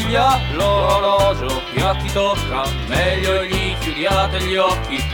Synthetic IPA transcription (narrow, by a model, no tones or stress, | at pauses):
ʎːaloɾoɾɔːd͡ʒopjakːit̪okːa | mɛʎːoʎikuɾjaːt̪eʎːɔkːi